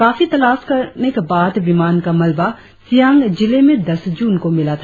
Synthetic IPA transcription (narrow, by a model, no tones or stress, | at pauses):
kaːfit̪ɐlaːskɐɾnekebaːd̪bimaːnkamɐlba | sijaːŋɡd͡ʒɪlemẽd̪ɐsd͡ʒuːnkomɪlat̪ʰa